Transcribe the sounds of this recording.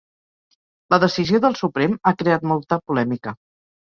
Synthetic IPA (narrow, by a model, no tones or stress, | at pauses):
ləðəsizioðəlˠsupɾemakɾeat̪mɔlˠt̪əpulɛmikə